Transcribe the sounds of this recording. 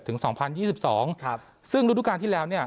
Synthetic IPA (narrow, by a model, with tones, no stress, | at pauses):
t̪ʰːɯ˩˦ŋsɔː˩˦ŋpʰa˧njiː˥˩i˨˩p̚sɔː˩˦ŋ | sɯ˥˩ŋɾu˦˥d̪uː˦˥kaː˧nt̪ʰiː˥˩lɛː˦˥wni˥˩ɐ